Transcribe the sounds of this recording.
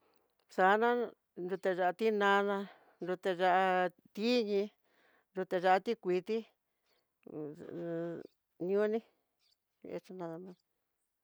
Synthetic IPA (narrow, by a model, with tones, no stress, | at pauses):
sa˨˦nã˦ | nɾu˧t̪e˧ʐa˧ʔa˧t̪i˦nã˧nã˧ | nɾu˧t̪e˧ʐa˧ʔa˧ | t̪i˦ɲĩ˧ | nɾu˧t̪e˧ʐa˧ʔa˧t̪i˦kʷi˧t̪i˦ | n˧õ˦nĩ˦ | ɲṵ̃˧ḛ˧t͡ʃa˧nã˧ðã˧mã˧